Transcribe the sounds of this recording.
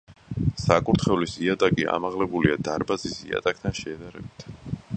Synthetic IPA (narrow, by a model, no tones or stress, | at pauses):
sakʼuɾt̪ʰχɛvlisiat̪ʼakʼia̰maʁlɛbuliad̪aɾbazisḭa̰t̪ʼak̚ʰt̪ʰanʃɛːd̪aɾɛbit̪ʰ